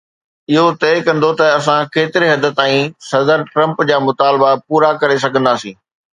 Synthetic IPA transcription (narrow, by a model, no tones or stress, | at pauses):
ɪɦot̪ɛːkɐ̃nd̪ot̪ɐɐs̬ãkeːt̪ɪɾeɦɐd̪ət̪ãːĩsɐd̪əɾʈɾɐ̃mpd͡ʑaːmʊt̪aːlbapuːɾakɐɾes̬ɐɡʱə̃nd̪aːsĩː